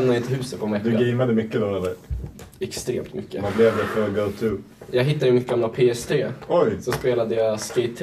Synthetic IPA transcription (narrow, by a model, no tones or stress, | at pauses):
mnad̪ɪnt̪əhʉ̟ːsət̪̚pʰɔmɛd̪ɵɡɛjmad̪əmʏkːəd̪oːɾad̪ɛ̰jɛkst̪ɾḛːmt̪mʏkːəablɛvd̪ɛfɔlɔɡoʊt̪ʰʉː | jɑːɡɦɪt̪ːad̪əmɪt̪ɡamlapʰeːɛst̪ʰɾeːɔjsɔspeːlad̪əjaskɛɪt̪ʰː